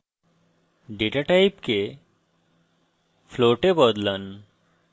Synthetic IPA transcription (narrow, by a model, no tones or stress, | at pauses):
ɖeʈaʈajpke | fʰloʈebɔd̪lan